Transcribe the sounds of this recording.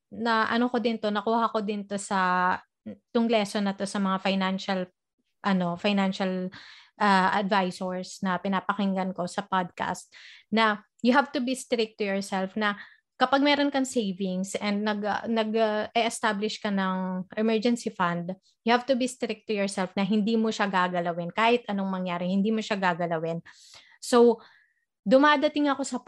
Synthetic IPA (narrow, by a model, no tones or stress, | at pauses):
nɐʔɐnokod̪ɪnt̪o̞nɐkuːhɐko̞d̪ɪnt̪o̞sɐ | t̪ʊŋlɛsonːɐt̪o̞sɐmɐŋafajnanʃɐl | ʔɐno̞fajnanʃɐlʔaʔɐd̪vajsoɹsnɐpɪnaːpɐkɪŋɡɐnko̞sɐpad̪̚ka̰st̪̚nɐ | jʊɦavt̪ʊbist̪ɾɪk̚t̪ːʊjɔɹsɛlfnɐ | kɐpaɡ̚mɛːɾonkɐŋsejvɪŋsʔɛnd̪̚nɐɡnɐɡʔɛʔɛst̪ablɪʃkɐnɐŋʔɛmɛɹd͡ʒɛnsifɐnd̪ | jʊhavt̪ʊbist̪ɾɪk̚t̪ːʊjɔɹsɛlfnɐɦɪnd̪iːmoʃaɡaːɡɐlɐwɪnkaːhɪt̪ʔɐnoŋmɐŋjaːɾɪhɪnd̪iːmoʃaɡaːɡɐlɐwɪn | sow | d̪ʊmaːd̪ɐt̪ɪŋɐko̞sɐ